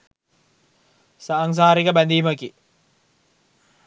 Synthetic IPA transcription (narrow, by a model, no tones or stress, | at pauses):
saːŋs̬aːɾikəbænd̪iːməki